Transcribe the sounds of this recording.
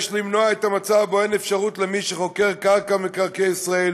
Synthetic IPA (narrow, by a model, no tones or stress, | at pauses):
ʃlimnoaet̪amat͡saboenefʃaʁut̪lemiʃeχo̞ke̞ʁkaʁkamekaʁkejisʁael